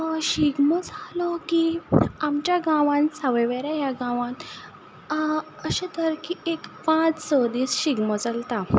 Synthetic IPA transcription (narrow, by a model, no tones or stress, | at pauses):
ɕiɡməd͡zʱalɔkiamt͡ɕjaɡãʋãnsaʋəʋeɾaɦjaɡãʋãnt̪ | əɕẽt̪əɾkiekpãt͡ssod̪iːsɕiɡməd͡zalt̪a